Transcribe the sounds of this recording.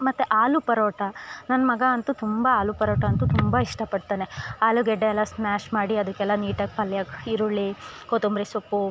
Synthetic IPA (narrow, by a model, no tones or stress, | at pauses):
mɐt̪ːeʔaːlupɐɾoːʈɐnɐnːɐmɐɡɐɐnt̪ut̪umbɐaːlupɐɾoːʈɐɐnt̪ut̪umbaiʂʈɐpɐɖt̪aːneaːluɡɛɖːeɛlːɐsmaːʃmaːɽiɐd̪ɐkːɛlːɐniːʈɐkpɐljakiɾuɭːikoːt̪umbɾesokːu